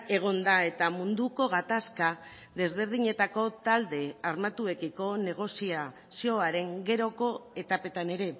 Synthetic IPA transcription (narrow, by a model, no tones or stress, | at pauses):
e̞ɣ̞o̞nd̪ae̞t̪amund̪uko̞ɣ̞at̪aska | ðe̞zβe̞ɾð̞iɲe̞t̪ako̞t̪ald̪e̞aɾmat̪ue̞kiko̞ne̞ɣ̞o̞sia | sio̞aɾe̞ŋɡe̞ɾo̞ko̞e̞t̪ape̞t̪ane̞ɾe̞